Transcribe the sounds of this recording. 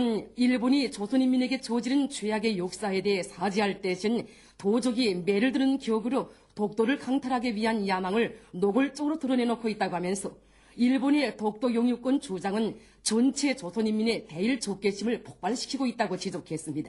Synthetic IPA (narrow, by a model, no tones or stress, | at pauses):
niɭboɲit͡ɕosʰoɲimːine̞ɡe̞t͡ɕod͡ʑiɾɯnt͡ɕwejaɡe̞jok̚s͈ae̞de̞ɦesʰad͡ʑiɦaɭt͈e̞ɕʰin | tod͡ʑʌɡime̞ɾɯɭdɯɾɯnkiʌɡɯɾo | tok̚t͈oɾɯɭkaŋtʰaɾɦaɡeɥiɦanjamaŋɯɭnoɡɯɭt͡ɕ͈oɡɯɾotɯɾʌne̞nokʰoit̚t͈aɡoɦamjʌnsʰʌ | iɭbonetok̚t͈ojoŋjuk͈wʌnt͡ɕod͡ʑaŋɯn | t͡ɕʌnt͡ɕʰe̞t͡ɕosʰoɲimːine̞te̞iɭt͡ɕok̚k͈e̞ɕʰimɯɭpok̚p͈aɭɕʰi̥kʰiɡoit̚t͈aɡot͡ɕid͡ʑʌkʰe̞s͈ɯmɲida